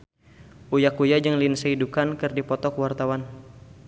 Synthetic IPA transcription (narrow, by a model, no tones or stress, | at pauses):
ʔujakujad͡ʒəŋlinsəidukankɨrdipɔt̪ɔkwart̪awan